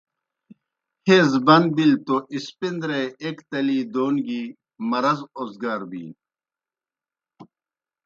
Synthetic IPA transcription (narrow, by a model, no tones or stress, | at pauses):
heːzbɐnd̪̚bilt̪oʔispind̪ɾeːekt̪ɐliːd̪oːnɡiː | mɐɾɐzoːzɡaːɾbḭː